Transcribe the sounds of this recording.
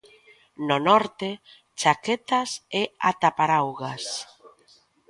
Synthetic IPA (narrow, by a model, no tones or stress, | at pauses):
nonɔɾt̪e | t͡ʃaket̪asea̰t̪apaɾawɣas